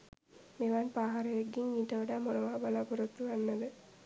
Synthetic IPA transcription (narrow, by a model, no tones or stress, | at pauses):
meʋaːnpaːɦaɾɐʋeɡːiŋiːʈɐʋɐɽaːmonɐʋaːbalaːpuɾɐt̪ːuʋanːɐd̪ə